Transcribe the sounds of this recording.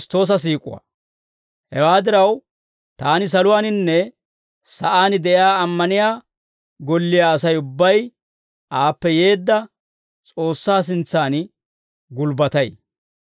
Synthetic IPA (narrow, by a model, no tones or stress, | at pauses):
st̪ːo̞ːs̬ɐs̬iːkʼʊ̰wa̰ | hɛ̰waːd̪ɪɾɐw | t̪aːnɪs̬ɐlʊwaːnɪnːɛ | sɐʔaːnɪd̪ɛʔɪaːɐmːɐnɪjaː | ɡɔlːɪjaːsɐjʊbːɐj | ʔaːpːɛje̞ːd̪ːɐ | t͡sʼo̞ːsːaːs̬ɪnt͡sːaːn | ɡʊlbɐt̪ɐj